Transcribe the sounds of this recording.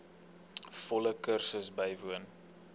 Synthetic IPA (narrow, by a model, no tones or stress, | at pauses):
fɔləkərsəsbəjvuən